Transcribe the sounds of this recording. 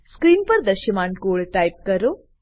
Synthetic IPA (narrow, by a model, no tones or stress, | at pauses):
skɾiːnpɐɾd̪ɐʃəmaːnkoːɭʈaːjp̚kɐɾoː